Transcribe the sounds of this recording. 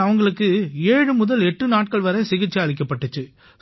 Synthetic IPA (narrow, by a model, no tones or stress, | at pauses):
ɐʋɐŋɡɐɭɯkːɯeːɻɯmʊðɐlɛʈːɯnaːʈ̚kɐɭʋɐɾɐsɪɣɪt͡ʃːiɐɭɪk̬ːɐpːɐʈːɯt͡ʃːɯ